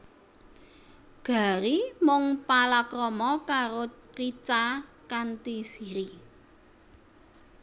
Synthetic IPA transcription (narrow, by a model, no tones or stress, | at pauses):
ɡ̥a̤ɾimʊŋpalakɾɔmɔkaɾo | rit͡ʃa | kant̪isiɾi